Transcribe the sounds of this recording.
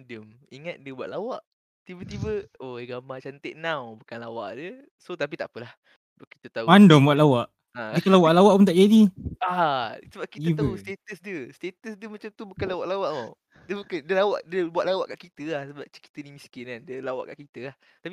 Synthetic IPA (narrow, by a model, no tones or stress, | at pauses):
dəmiŋat̪̚diəbuaʔ̪lawaʔ | t̪ibət̪ibəoɡamat͡ʃant̪əʔnawbukanlawa̰ʔdiə | sot̪ap̬it̪a̰ʔpəlah | baʔki̥t̪ət̪auandɔmbuat̪̚lawaʔ | adəkalawaʔlawaʔpunt̪aʔd͡ʒadiasəbaʔ̚kit̪ib̪aəust̪et̪əsdəst̪et̪əsdəmat͡ʃamt̪ubukanlawaʔlawaʔo | dəbukandəlawaʔdiəbuat̪lawa̰ʔkaʔkit̪əahsəbap̚t͡ʃə̥ki̥t̪ənimiskɪnandəlawa̰ʔka̰ʔkit̪əah | t̪api